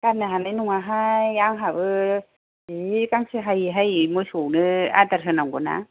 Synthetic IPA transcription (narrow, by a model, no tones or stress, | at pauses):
kanaɦanɛnuŋaɦajaŋɦaβɯ | ikaŋsiɦajiɦajimosonɯa̰t̪aɾɦɯnaŋɡuna̰